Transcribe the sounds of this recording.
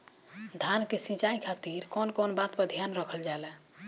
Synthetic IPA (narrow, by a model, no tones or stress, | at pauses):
d̪ʱankesĩt͡ʃaikʰat̪iɾkɔnkɔnbat̪pəd̪ʱijanɾəkʰəld͡ʒalɛ